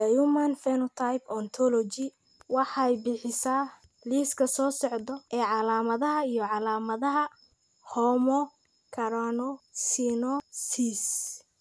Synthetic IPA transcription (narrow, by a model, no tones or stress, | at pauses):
ɐjumanfɛnɔt̪ʰajpɔnt̪ʰɔlɔt͡ʃɪ | wɑħɑɛjbɪħɪsaː | liːskʰɐsɔːsɔʕd̪ɔɛːʕɑlaːmɐðɐɦɐijɔʕɑlaːmɐðɐɦɐ | hɔːmɔ | kʰɐɾɔnɔsinɔsis